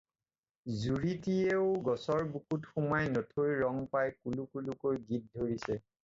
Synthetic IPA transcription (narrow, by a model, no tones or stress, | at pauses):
zuɹitieʊɡɔsɔɹbukutxumajnotʰojɹɔŋpajkulukulukojɡit̚dʱoɹisɛ